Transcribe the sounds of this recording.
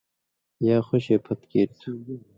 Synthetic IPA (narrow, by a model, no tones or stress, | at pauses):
jaːxoɕeːpʰɐt̪keːɾt̪ʰu